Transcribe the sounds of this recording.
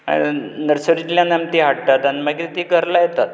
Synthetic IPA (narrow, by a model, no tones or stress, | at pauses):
ã̰inəɾsəɾit̪ljãnamt̪iɦaɽt̪at̪animəɡit̪iːɡʱəɾlajet̪at̪̚